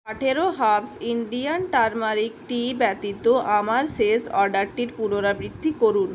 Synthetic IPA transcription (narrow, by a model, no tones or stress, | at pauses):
aʈʰeɾoɦabsiɳɖijanʈaɾmaɾikʈibɛt̪it̪oʔamaɾsesɔɾɖaɾʈiɾpuɾoɾabɾid̪ʱːikoɾun